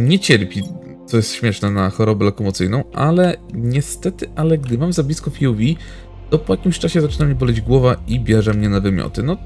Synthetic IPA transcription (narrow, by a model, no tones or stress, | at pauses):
ɲɛt͡ɕɛɾpʲi | t̪sɔjɛst̪ɕmʲjɛʂnɛnaxɔɾɔbɛlɔkɔmɔt̪sɘjnɔ̃w̃ʔalɛɲɛst̪ɛt̪ɘʔalɛɡd̪ɘmamzablʲiskɔfʲiuvʲi | t̪ɔpɔjakʲimɕt͡ʂaɕɛzat͡ʂɘnamɲɛbɔlɛd͡ʑɡwɔvaibʲjɛʐɛmɲɛnavɘmʲjɔ̰t̪ɘnɔ